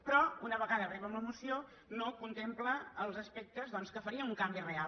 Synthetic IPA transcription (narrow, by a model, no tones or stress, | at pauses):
pɾɔunəβəɣaðərɛβəmləmusio | nokunt̪empləːlˠzəspɛk̚t̪əzðɔnskəfəɾiəuŋkambirea